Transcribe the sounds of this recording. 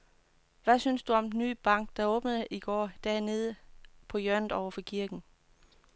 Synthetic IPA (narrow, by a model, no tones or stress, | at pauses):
ʋæsynsd̥uɒ̽mdeny̰ːb̥ɑ̈ŋ̰ɡ̥̚d̥ɑ̈ɔ̽ːb̥nəðˠʔiɡ̥ɒ̰ːd̥æɐne̝ð̞ˠəpʰɒ̽jɶɐ̰nð̩ˠɒʊɐfɒ̽kʰiɐɡ̥n̩